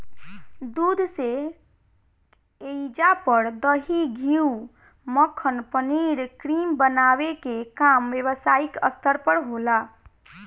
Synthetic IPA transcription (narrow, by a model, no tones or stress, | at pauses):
d̪ud̪ʱse | eid͡ʒapəɾd̪əɦiɡʱiu | məkʰːənpəniɾkɾimbənaʋekekamʋeʋəsaikəst̪ʰəɾpəɾɦola